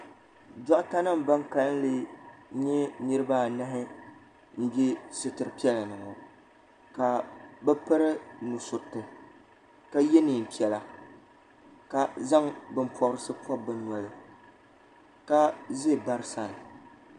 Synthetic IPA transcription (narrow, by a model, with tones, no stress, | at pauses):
da˦ʔka˦nɨ˦m˨ba˦ŋka˦n˦lɨ˦ɲɛ˦nɨ˦ɾɨ˦ba˦˨nɨ˦ɦɪ˦ | n̩˦ɡɛ˦sɨ˦tɨ˨ɨ˨pi˦ɛ˦la˨nɨ˨ŋɔ˨ | ka˨bɛ˦pɨ˦ɾɨ˦nu˨sʊ˨ɾtɨ˨ | ka˦jɛ˦ni˨pi˨ɛ˨la˨ | ka˨za˦ŋbɨ˨mpʰɔ˦ɾɨ˦sɨ˦pʰɔ˦bɨ˦nɔ˨lɨ˨ | ka˦zɨ˦˨ba˦ɾɨ˦sa˦˨nɨ˨